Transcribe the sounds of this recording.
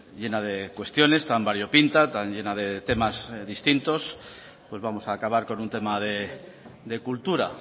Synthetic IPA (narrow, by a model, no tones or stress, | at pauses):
ʎe̞nað̞e̞kwe̞st̪jo̞ne̞st̪ambaɾjo̞pint̪at̪anʎe̞naðe̞t̪e̞mazðist̪int̪o̞s | pwe̞zβamo̞saːkaβaɾko̞nunt̪e̞maðe̞ | d̪e̞kult̪uɾa̰